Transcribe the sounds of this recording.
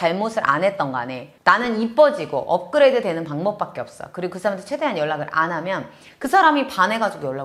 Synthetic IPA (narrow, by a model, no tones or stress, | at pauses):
t͡ɕaɭmosʰɯɾʔa̰nɦe̞t̚t͈ʌnɡa̰ne̞nanɯnip͈ʌd͡ʑiɡo̰ʔʌp̚k͈ɯɾe̞dedwe̞nɯnpaŋbʌp͈̚ak͈e̞ʌp̚s͈ʌjkɯɾiɡokɯsʰaɾamentʰt͡ɕʰede̞ɦanjʌɭːaɡɯɾa̰nɦamjʌn | kɯsʰaɾamipane̞ɡad͡ʑoɡjʌɭːa